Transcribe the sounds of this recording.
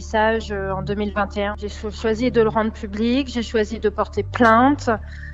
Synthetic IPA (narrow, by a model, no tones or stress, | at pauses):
saʒøɑ̃d̪ømilvɛ̃t̪eɛ̃ʒeʃwazid̪ələʁɑ̃d̪ʁəpyblikʒeʃwazid̪əpɔʁt̪eplɛ̃t̪